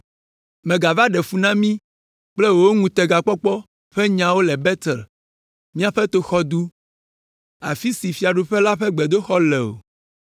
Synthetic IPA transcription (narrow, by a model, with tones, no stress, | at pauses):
mɛ̃˨ɡa˨va˦ɖɛ˨fu˦nã˦mĩ˦ | k͡plɛ˦wo˨wo˦ŋũ˨t̪ɛ˨ɡa˨k͡pɔ˦k͡pɔ˦ | ɸɛ˦ɲã˨wo˦lɛ˨bɛ˦t̪ɛ˨l | mĩ˦a˨ɸɛ˦t̪o˦xɔ˦d̪u˦ | a̰˨fi˦si˨fi˨˦a˨ɖu˨ɸɛ˦la˦ɸɛ˦ɡ͡bɛ˨d̪o˦xɔ˦lɛ˨o̰˨